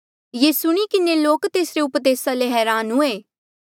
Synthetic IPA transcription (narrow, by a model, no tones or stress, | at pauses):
jeːsʊɽ̃ikɪneloːkt̪eːsɾeʊpd̪eːsaleɦɛːɾaːnɦʊeː